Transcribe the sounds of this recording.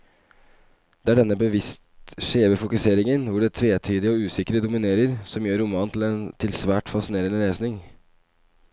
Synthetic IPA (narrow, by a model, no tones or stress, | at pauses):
d̪̥ɛæɖɛnːəbəʋɪst̪ʂeːʋəfʊkʉseːɾɪŋənʋʊɖɛt̪ʰɾeːt̪ʰyːd̪ɪəɔʉːsɪkɾəd̪ʊmɪneːɾəɾsɔmjøːɾʊmɑːnt̪ʰl̩ɛnt̪ʰɪlsʋæːʈfɑsɪneːɾənəɾeːsnɪŋ